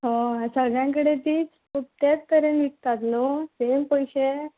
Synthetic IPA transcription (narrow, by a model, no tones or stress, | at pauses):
ɦoəsəɡʱɭjãk̬əɽet̪iːt͡s | up̚t̪ek̚t̪əɾenʋik̚t̪at̪nosempəjɕe